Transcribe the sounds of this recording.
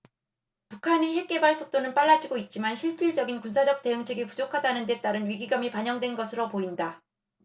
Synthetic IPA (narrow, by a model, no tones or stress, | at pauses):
pukʰaniɦe̞k̚k͈e̞baɭs͈ʰok̚t͈onɯnp͈aɭːad͡ʑiɡoit̚t͡ɕ͈imanɕʰiɭt͡ɕ͈ʰiɭd͡ʑʌɡinkunsʰad͡ʑʌk̚t͈e̞ɯŋt͡ɕʰeɡipud͡ʑokʰadanɯnde̞t͈aɾɯnɥiɡiɡamipaɲʌŋdwe̞nɡʌsʰɯɾopoinda